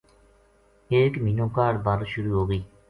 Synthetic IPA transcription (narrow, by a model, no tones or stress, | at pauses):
ekminokaɾbaɾʃuɾuɦoɡi